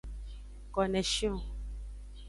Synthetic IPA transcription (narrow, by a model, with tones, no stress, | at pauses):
kɔ˨nɛ˨ʃĩ˦õ˨